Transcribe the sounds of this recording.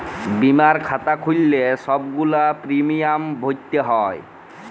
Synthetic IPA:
bimaɾkʰat̪akʰulːesɔbɡulapɾimijambʱot̪ːeɦɔj

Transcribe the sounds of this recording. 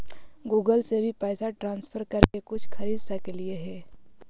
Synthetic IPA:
ɡuːɡəlsebʱipɛːsaʈɾãːnspʰəɾkɐɾkekʊt͡ʃʰkʰɐɾiːd̪sakelieɦɛː

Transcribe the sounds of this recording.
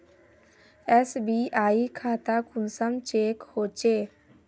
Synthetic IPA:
ɛsbiʔaːikʰaːt̪akʊnsəmt͡ʃeːkhoːt͡ʃeː

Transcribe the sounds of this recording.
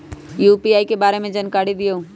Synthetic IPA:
juːpiaːikebaːɾemẽd͡ʒənkaːɽid̪ɪjoː

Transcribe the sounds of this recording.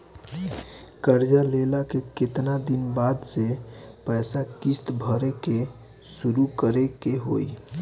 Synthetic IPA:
kəɾd͡ʒalelakeket̪nad̪inbad̪sepəɪsakist̪bʱəɾeke | suɾukəɾekeɦo̰i

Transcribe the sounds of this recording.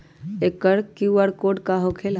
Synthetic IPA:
ekːəɾkuəɽkoːɖkaɦokʰeːl

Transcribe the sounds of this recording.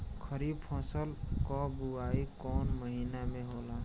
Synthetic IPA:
kʰəɾiːb̚pʰɔ̃ːsəlkɔbuaːikɔːnməɦiːnamẽɦoːla

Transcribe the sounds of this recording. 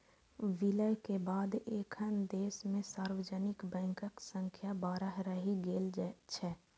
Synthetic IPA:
ʋɪləjkebaːd̪eːkʰənd̪eːsmẽsaːɾwəd͡ʒənɪkbɛ̃ːŋkəksə̃ŋkʰjabaːɾəɦɾəɦiɡeːlt͡ʃʰɛː

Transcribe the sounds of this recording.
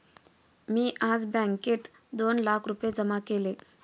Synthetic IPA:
miːʔad͡zbãŋket̪ | d̪onlakʰɾupjed͡zəmakele

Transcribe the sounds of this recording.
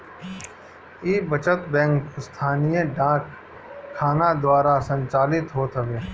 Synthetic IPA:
iːbət͡ʃət̪bɛ̃ːŋkst̪ʰaːnijẽɖãːkʰː | aːnad̪waːɾasə̃ɲt͡ʃaːlɪt̪ɦoːt̪əʋeː

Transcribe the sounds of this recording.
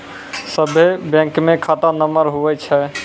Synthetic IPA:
səbʱebɛ̃ŋkmẽkʰat̪anəməɾɦuʋɛt͡ʃʰɛ

